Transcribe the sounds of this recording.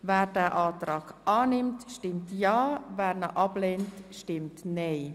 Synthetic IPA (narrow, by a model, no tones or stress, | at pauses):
vɛːɾdɛːʔaːtɾaːkʔaːnɪmtʃtɪmtjɑːvɛːɾnəʔɑbleːntʃtɪmtneɪ